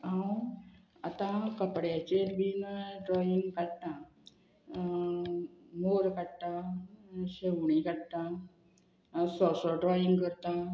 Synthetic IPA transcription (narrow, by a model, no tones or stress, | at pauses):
ãw | at̪ãkəpɽjat͡ɕeɾbinɖɾɔiŋɡkaɽt̪ã | moɾkaɽt̪ã | ɕewɳikaɽt̪ã | sɔsɔɖɾɔjiŋɡkəɾt̪a